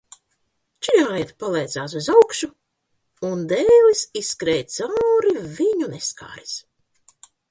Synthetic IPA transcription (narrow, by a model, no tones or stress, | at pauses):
t͡ʃiɾʲaːjɛt̪palˠɛːd̪zaːs̬uzawkʃu | und̪ɛːlisiskɾɛːjt̪sawɾiviɲuneska̰ːɾis